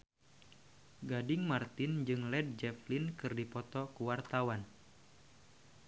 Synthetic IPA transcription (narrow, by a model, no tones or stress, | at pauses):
ɡadɪŋmart̪ɪnd͡ʒɨŋlɛd̚d͡ʒɛflinkɨrdipɔt̪ɔkuwart̪awan